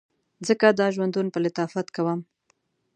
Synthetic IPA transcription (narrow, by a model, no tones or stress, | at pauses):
zəkad̪ɑʒwand̪unpəlɪt̪ɑfat̪kawəm